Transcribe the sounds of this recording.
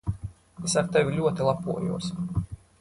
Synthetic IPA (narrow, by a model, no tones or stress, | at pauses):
esaɾt̪evʲilʲuɔt̪ilˠapuɔjṵɔs